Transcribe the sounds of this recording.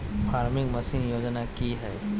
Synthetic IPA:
faːɾmɪ̃ŋɡmɐsɪ̃njoːd͡ʒnakiɦɛː

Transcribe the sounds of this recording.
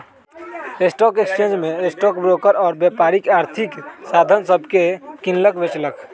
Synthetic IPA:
esʈɔkekst͡ʃẽnd͡ʒmeesʈɔkbɾokəɾɔːɾbjepaɾikaɾt̪ʰiksad̪ʱənsəbʱkekinləkbet͡ʃlək

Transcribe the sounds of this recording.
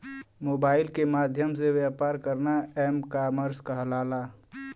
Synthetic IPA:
moːbaːɪlkemaːd̪ʱjəmseʋjaːpaːɾkəɾnaɛːmkaːməɾskaɦəlaːla

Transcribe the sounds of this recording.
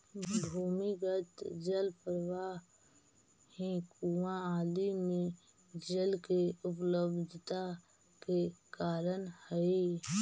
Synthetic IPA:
bʱuːmiɡət̪d͡ʒəlpɾəwa | ẽkuwãaːlimẽ | d͡ʒəlkeʊpləbd̪ʱt̪a | kekaːɾənhəi

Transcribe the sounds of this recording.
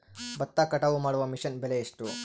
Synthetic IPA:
bɐt̪ːakɐʈɐʋumaːɽuʋɐmiʂɐnbelejiʂʈu

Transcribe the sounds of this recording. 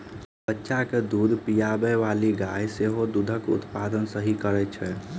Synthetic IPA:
bətːʃaked̪ud̪ʱpijabɛʋaliɡajseɦod̪ud̪ʱəkʊ̰t̪pad̪ənsəɦikəɾɛt͡ʃʰɛ

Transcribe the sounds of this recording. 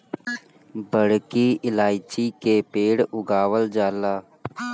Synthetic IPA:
bəɽkiːʔɪlaːɪt͡ʃiːkeːpeːɽʊɡaːʋəld͡ʒaːlaː

